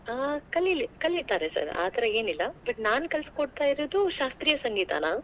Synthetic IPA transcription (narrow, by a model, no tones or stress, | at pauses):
aːkɐlːilːikɐlːit̪aːɾesɐ̰ɾa̰ːt̪ʰɐɾɐeːnilːɐb̥ɐʈnaːnkɐlskoɽt̪aːjiɾoːd̪uʃaːst̪ɾijɐsɐŋɡiːt̪a̰ːnaː